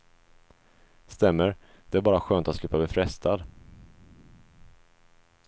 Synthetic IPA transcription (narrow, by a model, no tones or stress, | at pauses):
st̪ɛmːəɾ | d̪̥ɛæɾbɑːɾaɧøːnt̪at̪slɪpːablɪfɾɛst̪ʰad̪